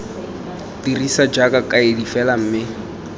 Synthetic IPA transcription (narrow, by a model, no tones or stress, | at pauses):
dirisad͡ʒakʼakʼaedifɛlam̩ːmɪ